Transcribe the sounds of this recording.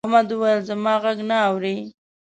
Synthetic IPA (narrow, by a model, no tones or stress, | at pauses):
hmad̪uwajəlzamɑɣaɡnaːwɾi